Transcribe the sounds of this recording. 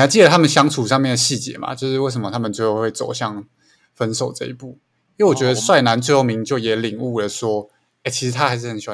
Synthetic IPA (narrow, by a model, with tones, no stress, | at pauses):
ja˧˥t͡ɕi˥˩ə˨˩t̪ʰa˥mə˨nɕjɑ˥ŋt͡sʰu˨˩ʂɑ˥˧ŋmjɛ˥˩nd̪ə˩ɕi˥˩t͡ɕjɛ̰˧˥ma̰˨t͡ɕjo˥˧ʊʂɻ̩˥˧we˥˩ɪsə˧˦mə˦t̪ʰa˥mə˨nt͡swe˥˧xo˥˧we˥˩ɪt͡so̰˨˩ʊɕjɑ˥˩ŋ | fə˦nso˨˩ʊʈ͡ʂɤ˥˩ḭ˧˦pu˥˩ | jwɔ˨˩t͡ɕɥɛ˧˥d̪ə˩˨˦swa˥˩ɪna˧˥nt͡swe˥˧ɪxo˥˩mi˧˥ŋt͡ɕjo˥˩ʊjɛ˨˥li˨˩ŋu˥˩lə˩ʂwɔ˥ | e˥˩t͡ɕʰi˧˥ʂɻ̩˧t̪ʰa˥xa˧˥ɪʂ̬ɻ̩˥˩xə˨˩nɕjw